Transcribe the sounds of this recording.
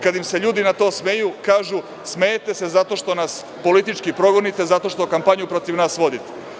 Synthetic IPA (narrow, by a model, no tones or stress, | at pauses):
kad̪imse̞ʎuːd̪inat̪o̞ːsmejukaːʒu | smejet̪e̞se̞zat̪o̞ʃt̪o̞nas | po̞lit̪it͡ʃkipɾo̞ɡo̞nit̪e̞zat̪o̞ʃt̪okampaɲupɾo̞t̪iʋnaːsʋo̞d̪it̪e̥